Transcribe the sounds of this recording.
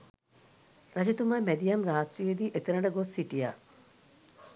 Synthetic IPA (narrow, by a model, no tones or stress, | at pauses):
ɾad͡ʒet̪umaːmæd̪ijɐmraːt̪ɾijed̪iːʔet̪eɾɐɳɖəɡosːiʈija̰ː